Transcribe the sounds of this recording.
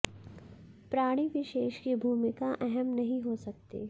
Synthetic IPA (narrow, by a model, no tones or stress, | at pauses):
pɾaːɽ̃iʋɪʃeːʃkibʱuːmɪkaʔɛɦɛmnɐɦĩɦosɐk̚t̪ḛː